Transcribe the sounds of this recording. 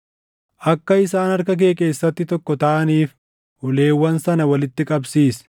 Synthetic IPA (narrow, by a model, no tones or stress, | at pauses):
ʔɐkːɐɪsaːnɐɾkɐk̬e̞ːkʼe̞ːsːɐt̪ːɪt̪ɔkːɔt̪ɐʔɐniːf | hʊle̞ːwːɐnsɐnɐwɐlɪt̪ːɪkʼɐbsiːs